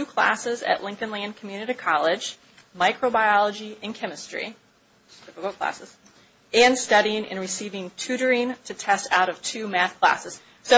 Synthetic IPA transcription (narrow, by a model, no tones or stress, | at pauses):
tʰʉkʰl̥æ̰sɪzɨ̰ʔˡlɪ̃ŋkɨ̃nlæ̃nkʰm̩jʉnɨɾi̥kʰɑlˠɪd͡ʒ | maɪkʰɹoʊbaɪɑlˠəd͡ʒiɨ̃nkʰɛmɨstɹ̥ḭ | d̥ɪfəkl̩ˠkʰl̥æ̰sɨz̥ | ɨ̃nstʌɾiɪ̃ŋɨ̰̃nɹɨsivɪ̃ŋtʰʉɾə˞ĩntʰɨtʰɛstaʊɾʌv̥tʰʉmæθkʰl̥æ̰sɨz̥ | soʊ